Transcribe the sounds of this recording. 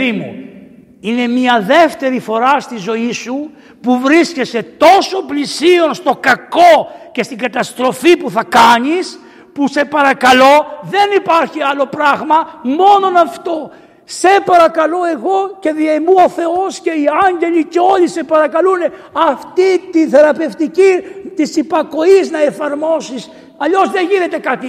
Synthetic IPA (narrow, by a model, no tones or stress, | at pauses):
imṵ | ine̞miɐðe̞ft̪e̞ɾifo̞ɾɐst̪izo̞isu | puvɾisce̞se̞t̪o̞so̞plisio̞nst̪o̞kɐko̞ce̞st̪iɡɐt̪ɐst̪ɾo̞fipuθɐkɐɲis | puse̞pɐɾɐkɐlo̞ðe̞nipɐɾçiɐlo̞pɾɐɣmɐmo̞no̞nɐft̪o̞ | se̞pɐɾɐkɐlo̞e̞ɣo̞ce̞ðiɐmuo̞θe̞o̞sce̞iɐɲɟe̞liceo̞ʎisepɐɾɐkɐlune̞ | ɐft̪it̪inθe̞ɾɐpe̞ft̪icit̪isipɐko̞iznɐe̞fɐɾmo̞sis | ɐʎo̞zðe̞ʝine̞t̪e̞kɐt̪i